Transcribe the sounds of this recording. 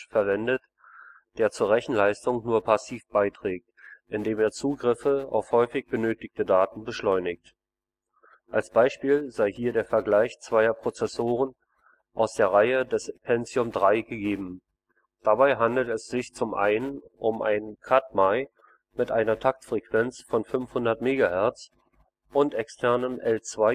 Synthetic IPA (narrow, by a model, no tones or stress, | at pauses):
fɛɐvɛndət | d̥eːɐt͡suːɐʁ̞ɛçn̩laɪstʊŋnuːɐpʰasiːfb̥aɪtʁ̥ɛːk̚tʔɪndeːmeːɐt͡suːɡʁɪfəa̰ʊfhɔʏfɪçb̥ənøːtɪk̚tədaːtn̩bəʃlɔʏnɪk̚t | ʔalsb̥aɪʃpiːlzaɪɦiːɐdeːɐfɛɐɡlaɪçt͡sv̥aɪɐpʁ̥ot͡sɛsoːʁ̞ən | ʔaʊsd̥eːɐʁaɪədɛspʰɛnzjʊmdʁaɪɡəɡeːbm̩ | d̥abaɪɦandl̩tɛsz̥ɪçt͡sʊmʔa̰ɪnənʔʊmʔa̰ɪnkʰat̚maɪ | mɪtʔaɪnɐtʰak̚tfʁ̥ɛkv̥ɛnt͡sfɔnfʏnfhʊndɐtmeːɡahɛɐt͡s | ʔʊntʔɛkstʰɛɐnənʔɛlt͡sv̥aɪ